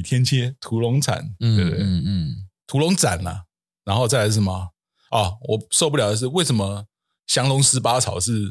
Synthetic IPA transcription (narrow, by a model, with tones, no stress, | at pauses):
t̪ʰjɛ˥nt͡ɕʰjɛ˥t̪ʰu˧˥lo˧˥ŋt͡sʰa̰˨˩˦nwe˥˧t̪we˥˩ɪ˥˩t̪ʰu˧˥lʊ˧˦˥ŋt͡sa̰˨˩na̰˨˩ | na˧˥nxo˥˧ʊt͡sa˥ɪa˧˥ʂə˨˩mɐ˩ | ɔ˨˩wɔ˨˩so˥˧ʊp̬u˥˩jʊd̪ə˦ʂ̬ɻ̩˥˧we˥˩ɪʂə˨˩˦mə˦ | ɕjɑ˥ŋlʊ˧˥ŋs̩˧˥pa˥t͡sʰɑ˨˩ʊʂɻ̩˥˩